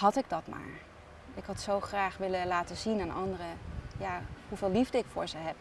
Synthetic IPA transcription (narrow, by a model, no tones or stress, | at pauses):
hɑtɪɡ̚dɑtma̰ːɹ | ɪkɦɑtsowχraːχʋɪləlaːtəzinanʔɑndərəjaɦuvɪːlivdəɪkfʊːɹzəɦɛp